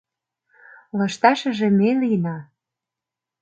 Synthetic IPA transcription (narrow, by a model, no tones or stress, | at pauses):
lɤʃt̪ɑʃə̆ʒĕmelinɑ